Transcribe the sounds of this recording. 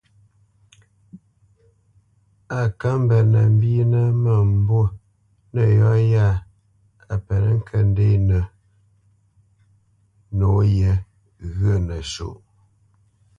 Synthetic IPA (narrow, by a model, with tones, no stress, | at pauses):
a˨ka˦m˦bə˨nə˨m˦bi˦nə˦mə˨m˦bo˦˨ | nə˨jɔ˦ja˦˨ | a˨pɛ˨nə˦ŋ̩˦kʰə˨n˦de˦˨nə˨ | no˨˦jɛ˨ | ɣə˦˨nə˨ʃo̰˨ʔ